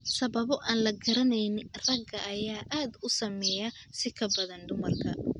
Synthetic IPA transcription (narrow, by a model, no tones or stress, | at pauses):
sɐβɐβɔʔaːnlɐɡɐɾɐnɛjnɪrɐɡɐʔɐjaːʔaːd̪ʊsɐmɛjɐsɪkʰɐbɐðɐnɖ̪ʊmɐrkʰɐ